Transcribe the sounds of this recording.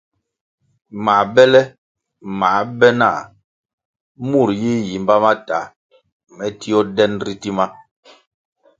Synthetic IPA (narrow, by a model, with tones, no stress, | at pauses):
ma˨bɛ˦lɛ˦ | ma˨˦bɛ˦na˦˨ | mu˦˨ɾji˦ji˨mba˦ma˦ta˨ | mɛ˦ti˦ɔ˦dɛ˦nɾi˦ti˦ma˦